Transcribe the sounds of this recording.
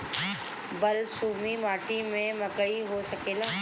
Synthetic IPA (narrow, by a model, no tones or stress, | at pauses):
bɐlsuːmimaːʈimẽmɐkəiɦosɐkeːlaː